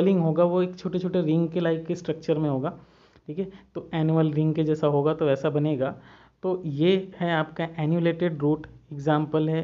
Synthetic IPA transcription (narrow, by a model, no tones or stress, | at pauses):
lɪ̃ŋɡɦoːɡaʋoeːkt͡ʃʰoːʈet͡ʃʰoːʈeɾɪ̃ŋɡkelaːɪkːesʈɾɐk̚t͡ʃəɾmẽɦoːɡaː | ʈʰiːkʰiet̪oɛːnjuəlɾɪ̃ŋɡked͡ʒɛːsaɦoːɡat̪oʋɛːsabɐneːɡaː | t̪ojehɛaːpkaʔɛːnjuleːʈeɖɾuːʈɪɡzãːmpəlɦɛː